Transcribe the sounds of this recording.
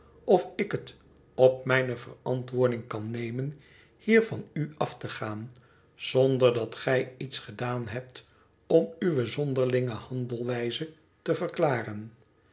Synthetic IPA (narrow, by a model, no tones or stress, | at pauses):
ʔɔfɪkət | ɔp̚mɛjnəvərɑ̰ntʋʊːɹdɪŋkɑnːejmən | hiːɹvɑnyɑftəχaːn | z̥ɔndəɹdɑtχɛjitsχədaːnɦɛp̚t | ɔmyʋəzɔndəɹlɪŋəhɑndəlˠʋɛjzə | təvəklaːrən